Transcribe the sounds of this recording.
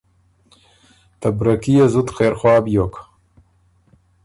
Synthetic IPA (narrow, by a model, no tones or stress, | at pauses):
t̪abɾakijazut̪xeːɾxwɑːbjok